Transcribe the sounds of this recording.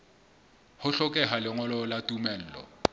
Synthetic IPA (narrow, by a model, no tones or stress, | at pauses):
hʊɬɔkʼɛɦalɪŋɔlɔlatʼumɛl̩ːlɔ̰